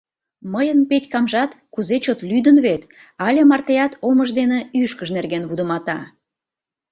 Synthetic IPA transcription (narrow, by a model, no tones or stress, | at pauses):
məjənpetʲkɑmʒɑt̪kuzet͡ɕot̪lyd̪ənβet̪ | ɑlʲemɑrt̪ejɑt̪ʰoməʒd̪eneyʃkəʃnerɣenβud̪əmɑt̪ɑ